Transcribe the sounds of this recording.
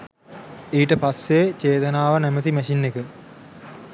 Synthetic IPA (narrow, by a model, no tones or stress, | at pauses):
iːʈəpasːet͡ɕeːt̪ɐnaːʋənæmət̪iməʃinːekə